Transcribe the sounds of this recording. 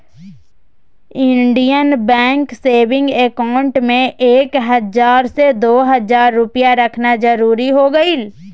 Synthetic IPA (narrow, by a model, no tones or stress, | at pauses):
ɪ̃ɳɖijənbɛ̃ːŋkseːʋɪ̃ŋɡekaːʊ̃ɳʈmẽʔeːkɦɐzaːɾsed̪oːɦɐzaːɾːʊpijaɾɐkʰnad͡ʒɐɾuːɾiɦoɡəiːl